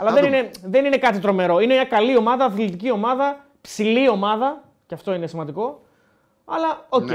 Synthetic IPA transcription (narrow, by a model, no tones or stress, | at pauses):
ɐlɐðenineðe̞nine̞kɐt̪it̪ɾo̞me̞ɾo̞ine̞mɲɐkɐlio̞mɐðɐːθlit̪icio̞mɐðɐ | psilio̞mɐðɐ | ceɐft̪o̞ine̞simɐnd̪iko̞ | ɐlɐoc